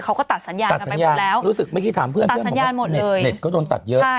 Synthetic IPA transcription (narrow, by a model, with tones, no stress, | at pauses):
kʰa˦˥wkɔː˥˩t̪a˨˩t̪̚sa˩˦njaː˧a˨˩t̪̚snjaː˧nlɛː˦˥wɾuː˦˥sɯ˨˩k̚ma˥˩jkʰi˥˩t̪ʰaː˩˦mpʰɯ˥˩ənʰ˩˥˩msjaː˦˧nmo˨˩t̪̚e˨lɤː˩˧jne˨˩t̪̚kɔː˥˩doː˧nt̪a̰˨˩t̪̚jɤ˧˦˥a˥˩˥